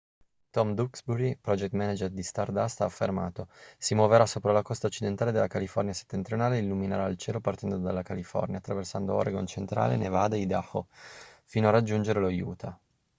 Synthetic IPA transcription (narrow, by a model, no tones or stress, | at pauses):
t̪ɔmd̪uksbuɾipɾɔd͡ʒɛk̚t̪mɛnad͡ʒerd̪ist̪ard̪ast̪aːfːerma̰ːt̪osimwoveɾasoːpɾalakɔst̪aot͡ʃːid̪ent̪aːled̪elːakalifɔrnjase̥t̪ːent̪ɾijonaːleilːuminaɾailt͡ʃeːlopart̪ɛnd̪od̪alːakalifɔ̰rnjat̪ːɾaversand̪o̰ɔ̰ɾeɡont͡ʃent̪ɾa̰ːlḛnevaːd̪eid̪ahofiːnoarad͡ʒːund͡ʒeɾelojṵːt̪ʰa